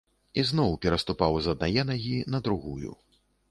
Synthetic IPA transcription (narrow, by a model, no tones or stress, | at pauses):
iznɔwpʲɛɾɐst̪upawzɐd̪najɛnaɣʲinɐd̪ɾuɣujṵ